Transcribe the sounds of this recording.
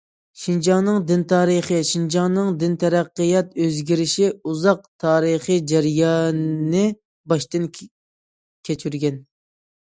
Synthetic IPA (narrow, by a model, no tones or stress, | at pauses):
ʃind͡ʒɑnɨŋd̪ɪnt̪ʰɑːɾəχəʃind͡ʒɑnɨŋd̪ɪnt̪ʰɛɾæqːəjɑt̪øzɡʲiɾɪʃiuzɑq̚t̪ʰɑːɾəχɨd͡ʒæɾjɑːnnːɨ | bɑʃt̪ɨn | kʲʰet͡ʃʰyɾɡʲɛn